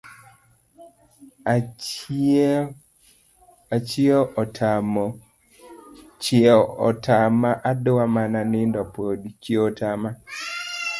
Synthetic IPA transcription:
at͡ʃioʔtam | t͡ʃɔ̰tamaʔadowamananɪndɔpodt͡ʃiotama

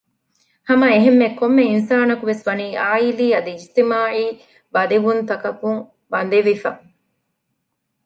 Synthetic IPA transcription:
hɐmɐeɦemːekomːeinsaːnɐkuʋesʋɐniːʔaːiliːɐd̪iist̪imaːʕiː | bɐd̪iʋunt̪ɐkɐkuŋ | ʋɐnd̪eʋifɐ

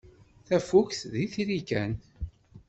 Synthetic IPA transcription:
θæfukθðiθiɾikæn

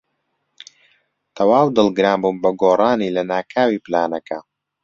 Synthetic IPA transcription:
t̪ʰɐwaːwd̪ɨlˠɡɨɾaːmbuːmbɐɡoːrˤɑːniːlɐnaːkʰaːwiːplaːnɐkɐ

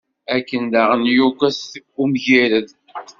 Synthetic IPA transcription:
ækːənd̪aʁənjukʷæsumʝiɾəð

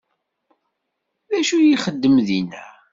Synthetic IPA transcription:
ðæʃujiχəd̪ːəmðinæ̰

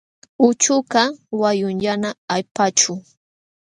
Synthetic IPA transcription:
ʊt͡ʃʊkawajʊnʎanaajpat͡ʃʊ

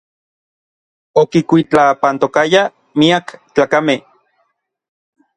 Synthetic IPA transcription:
okikʷit͡ɬapant̪okaja | miakt͡ɬaːkameh

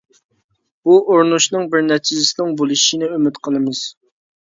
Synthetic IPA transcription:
b̥uʔoɾnuʃnɨŋbɪɾnɛt͡ʃʰizɪsɪnɪŋbolˠɨʃinɪømɪt̪qʰəlˠɨmɨz̥

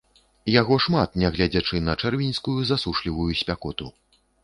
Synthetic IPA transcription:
jaɣɔʂmat̪nʲaɣlʲad͡zʲat͡ʂɨnɐt͡ʂɛrvʲinʲskujuzasuʂlʲivujusʲpʲakɔt̪u

